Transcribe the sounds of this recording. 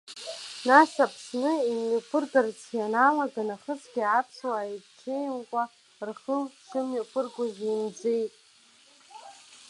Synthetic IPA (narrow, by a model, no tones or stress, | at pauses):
nasapʰsnɨimɥopʰɨrɡʼart͡sʰianalaɡanaχət͡sʰɡʲiapʰswaːjʈ͡ʂʷʰejwkʷʼa | rχəlʂɨmɥapʰɨrɡʷaʒʲimd͡zejtʼ